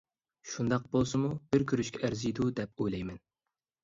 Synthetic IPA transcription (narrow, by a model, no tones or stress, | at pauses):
ʃund̪ɑq̚b̥olˠsɨmub̥ɪɾkʲʰyɾyʃkʲʰɛʔæɾzɨjd̪ud̪ɛpojlɛjmɛn